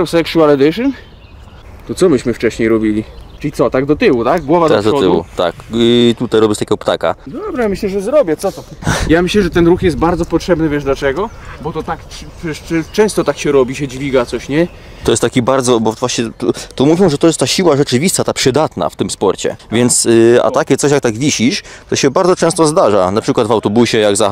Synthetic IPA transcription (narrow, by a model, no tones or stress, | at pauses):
sɛkʂualɛd̪ɛʂɨn | t̪ɔt̪sɔmɘɕmɘft͡ʂɛɕɲejɾɔbʲilʲit͡ʂɘlʲit̪sɔt̪aɡ̚d̪ɔt̪ɘwut̪aɡɡwɔvad̪ad̪ɔɪwṵt̪a̰kt̪ut̪ajɾɔbʲjɛst̪akʲeɡɔpt̪a̰ka̰d̪ɔbɾɛmɘɕlɛʐɛzɾɔbʲjɛt̪sɔt̪ɔjamɘɕlɛʐɛt̪ɛnɾuxjɛst̪̚baɾd̪zɔpɔtʂɛbnɘvʲjɛʐd̪lat͡ʂɛɡɔ | bɔt̪ɔt̪akɛɛt͡ʂɛ̃st̪ɔt̪akɕɛɾɔbʲiɕɛd͡ʑvʲiɡat̪sɔɕɲɛ | t̪ɔjɛst̪ːakʲibaɾd̪zɔbɔvwaɕɲɛt̪ut̪umuvʲjɔ̃w̃ʐɛt̪ɔjɛst̪t̪ːaɕiwaʐɛt͡ʂɘvʲist̪at̪apʂɘd̪at̪na̰ft̪ɘmspɔɾt͡ɕɛ̰vʲjɛnt̪sa̰t̪akʲɛt̪ɔɕjak̚t̪aɡvʲiɕiʂt̪ɔɕɛbaɾd̪zɔt͡ʂɛ̃st̪ɔzd̪aʐanapʂɘkwad̪vawt̪ɔbuɕɛjaɡza